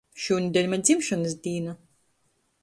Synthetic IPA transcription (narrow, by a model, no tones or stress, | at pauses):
ʃuːnʲd̪ʲɛlʲmad̪zʲimʃɔnɨs̬d̪ʲiːna